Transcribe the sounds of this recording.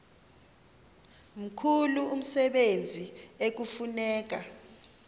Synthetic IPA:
m̩kʰuluum̩sɛɓend͡zʱiek̬ufunɛːk̬a

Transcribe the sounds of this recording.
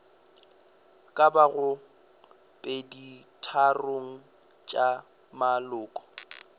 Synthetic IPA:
kʼabaɣʊ | pʼeditʰaroŋ̩ | t͡ʃʼa | malʊːkʼɔ̥

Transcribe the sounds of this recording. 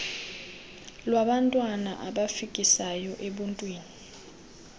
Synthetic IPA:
lwaɓantʼwanaʔaɓafik̬ʼisajɔʔeɓuntʼwiːni

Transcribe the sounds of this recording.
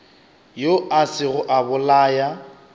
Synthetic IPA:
joʔasɪɣʊʔabʊlaːja

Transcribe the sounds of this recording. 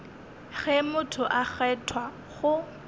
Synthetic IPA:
ɣɛmʊtʰʊʔaχɛtʰwa | χʊ

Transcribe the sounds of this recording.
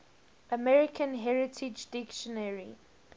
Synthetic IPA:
ʔəmɛɹɪkʰə̃nɦɛɹɪtʰɪd͡ʒdɪkʃɔnɛɹi

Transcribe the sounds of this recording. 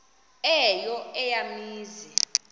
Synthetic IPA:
ɛjɔɛjamiːzi

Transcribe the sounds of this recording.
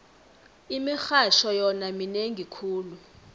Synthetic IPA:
imixaʃɔjɔnamineŋʱikʰuːlu

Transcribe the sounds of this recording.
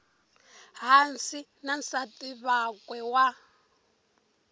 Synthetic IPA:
ɦansi | nansatʼiβakʼwɛwa

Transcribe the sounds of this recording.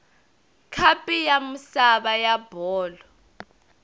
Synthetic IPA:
kʰapʼijamusaɓajab̥ʱɔːlɔ

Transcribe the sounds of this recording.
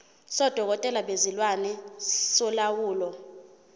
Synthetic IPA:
sɔd̥ʱɔk̬ɔtʼɛlaɓezilwanɛsɔlawuːlɔ

